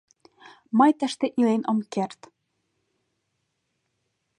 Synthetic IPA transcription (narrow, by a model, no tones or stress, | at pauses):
mɑjt̪æ̆ʃt̪eʔilenʔɤ̆mkert̪